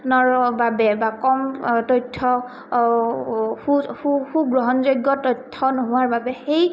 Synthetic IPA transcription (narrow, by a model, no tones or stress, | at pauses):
nɔɹbabɛbakɔmtɔjtʰːɔ | xuuxuɡɹɔɦɔnzojɡɔtɔjtʰːɔnoɦʊwaɹbabɛxej